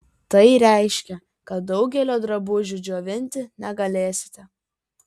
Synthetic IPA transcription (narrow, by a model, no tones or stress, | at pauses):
t̪ɐɪɾʲɛɪʃʲkʲɛ | kɐt̪̚d̪ɒʊɡʲɛlʲoːd̪ɾɐbuːʒʲʊd͡ʒʲoːʋʲɪnʲt̪ʲɪnʲɛɡɐlʲeːsʲɪ̥t̪ʲɛ